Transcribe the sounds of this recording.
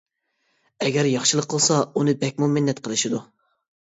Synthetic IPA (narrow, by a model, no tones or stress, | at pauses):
ɛɡʲɛɾjɑχʃɨlˠəqʰːəlˠsɑunɨbɛkʲmumɪnːɛt̪qʰəlˠɨʃid̪u